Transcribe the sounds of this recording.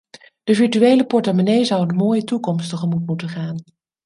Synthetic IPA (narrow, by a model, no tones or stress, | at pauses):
d̥əvɪɹtyejləpɔɹtamonejzʌwənmoːjətukɔmstəχəmutmutəχaːn